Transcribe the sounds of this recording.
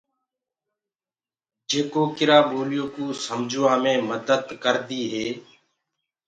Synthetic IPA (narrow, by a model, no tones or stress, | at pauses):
d͡ʒeːkoːkɪɾaːbʱoːlɪjõːkuːsəmd͡ʒʱoːaːmẽːməd̪əd̪kəɾd̪iːɦeː